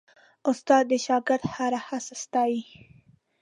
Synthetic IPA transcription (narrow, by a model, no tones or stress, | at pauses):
ʊst̪ɑd̪̚ːəʃɑɡɪɾd̪haɾahasast̪ɑi